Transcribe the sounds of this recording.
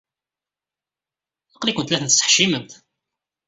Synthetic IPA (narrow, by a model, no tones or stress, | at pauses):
əqlikʷʊnt̪læθənt̪ə̥sə̥ħʃiməmt̪